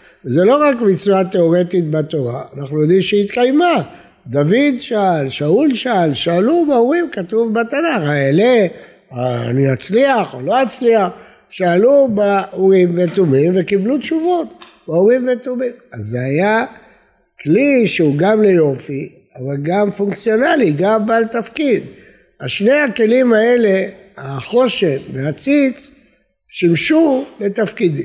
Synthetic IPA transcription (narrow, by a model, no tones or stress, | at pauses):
vezelo̞ʁakmit͡suat̪e̞o̞ʁe̞t̪it̪̚bat̪o̞ʁaːnaχnujo̞d̪imʃeit̪kajma | d̪avid̪ʃalʃaulʃalʃaːlubeuʁimkat̪uvbat̪anaχaele | aa̰niat͡sliaχolo̞at͡sliaχ | ʃaːlubeuʁimvet̪umimvekiblut̪ʃuvo̞t̪ | bauʁimvet̪umimazːeaja | kliʃeuɡamle̞jo̞fi | avalɡamfuŋkt͡sjo̞naliɡambalt̪afkid̪ | aʃne̞jake̞limae̞le̞ | aχo̞ʃemveat͡sit͡s | ʃimʃule̞t̪afkid̪im